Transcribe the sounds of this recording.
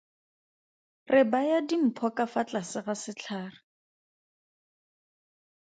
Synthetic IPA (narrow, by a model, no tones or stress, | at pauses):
rʔɪbajadim̩pʰɔkafat͡ɬasɪɣasɪt͡ɬʰaːrɪ